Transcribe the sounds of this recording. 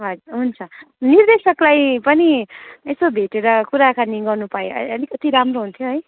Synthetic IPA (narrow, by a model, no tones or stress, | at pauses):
ɦʌd͡zuɾɦunt͡sʰʌnird̪esʌklajpʌniesobʱeʈeɾʌkuɾakaniɡʌrnupaḛʌlikʌt̪iɾamroɦunt̪ʰjoɦʌj